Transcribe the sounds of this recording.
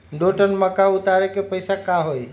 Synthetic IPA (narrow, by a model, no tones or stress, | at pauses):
ɖoʈənməkaʊt̪aɾekepəɪsakaɦoj